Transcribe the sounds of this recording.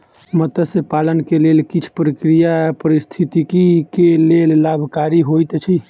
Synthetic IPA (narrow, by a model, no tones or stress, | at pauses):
mət̪əsepalənkelelkit͡ʃʰpɾəkɾijapəɾist̪ʰit̪ikikelellabʱkaɾiɦojt̪t͡ʃʰi